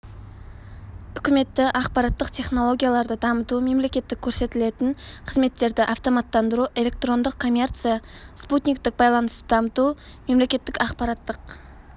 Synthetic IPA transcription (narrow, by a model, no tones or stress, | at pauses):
ʏkʲɪme̞t̪ːɪʔɑqpɑɾɑt̪ːəqt̪ʰe̞χno̞lˠo̞ɡʲijalˠɑɾd̪əd̪ɑmət̪ume̞mlekʲe̞t̪ːɪkʲʰɵɾse̞t̪ɪle̞t̪ɪŋqʰəzme̞t̪ːe̞ɾd̪ɪʔɑft̪o̞mɑt̪ːɑnd̪əɾuʔe̞lʲe̞k̚t̪ro̞nd̪əqkʰːo̞mʲe̞rt̪sɨjasput̪ʲnʲikt̪ɪk̚bɑjlˠɑnəst̪əd̪ɑmət̪u | me̞mle̞kʲe̞t̪ːɪkɑqpɑɾɑt̪ːəq